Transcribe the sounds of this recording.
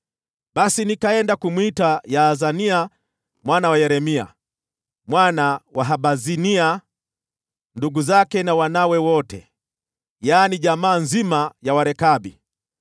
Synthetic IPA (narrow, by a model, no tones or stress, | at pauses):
ɓasinikaɛndakumwitajaːzania | mwanawajɛɾɛmia̰ | mwanawaɦaɓazinia | nduɡuzakɛnawanawɛwɔtɛ̰ | jaːniʄamaːnzimajawaɾɛkaɓi